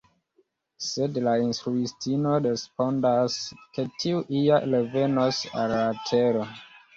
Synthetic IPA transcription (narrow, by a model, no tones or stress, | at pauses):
sedlainstɾuistino̞ɾespo̞ndaske̞tʰiuʔialeve̞nosa̰lːatʰeɾo